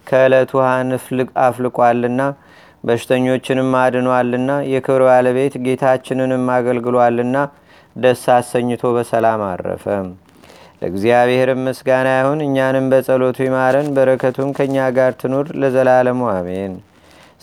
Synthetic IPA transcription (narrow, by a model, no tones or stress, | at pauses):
kʰəɨlət̪ʰuhanɨflɨkʼaflɨkʼwalːɨnːa | bəʃɪ̥t̪ʰəɲːo̞t͡ʃːɪnɨmːad̪nwalːɨnːajɛkʰɨβɾbaləβe̞t̪ɡe̞t̪ʰat͡ʃːɪnɨnɨmːaɡəlɡɨlwalːɨnːa | d̪əsːasəɲːɨt̪ʰo̞βəsəlama̰ɾːə̰fəm | lə̰ɨɡzijaβeheɾɨmːɨsɡanajahunɨɲːanɨmbəsʼəlo̞t̪ʰujɛmaɾənbəɾəkʰət̪ʰunkʰəɨɲːaɡaɾt̪ʰɨnoɾləzəlaləmuamen